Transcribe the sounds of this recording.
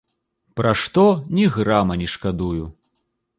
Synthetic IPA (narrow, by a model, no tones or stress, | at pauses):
pɾaʂt̪ɔnʲiɣramɐnʲiʂkad̪uju